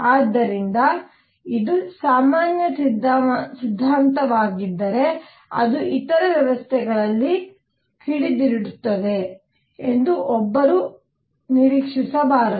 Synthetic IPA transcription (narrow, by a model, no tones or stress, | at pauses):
aːd̪ːɐɾind̪ɐ | id̪usaːmaːnjɐsid̪sid̪ʱːaːnt̪ɐʋaːɡid̪ːɐɾe̞ | ɐ̰d̪uit̪ɐɾɐʋjɐʋɐst̪ʰɛɡɐɭɐlːi | kʰiɽid̪iɾiɽut̪ːɐd̪e̞ | end̪uʔɔbːɐɾu | niɾiːkʂisɐbaːɾ